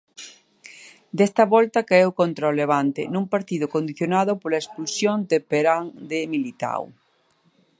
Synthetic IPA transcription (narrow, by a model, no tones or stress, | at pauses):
d̪est̪ɐβɔlt̪akaewkont̪ɾaoleβ̞ant̪ɪnũŋpaɾt̪iðʊkond̪iθjonaðʊpolaespulsjond̪epeɾaŋd̪emilit̪a̰w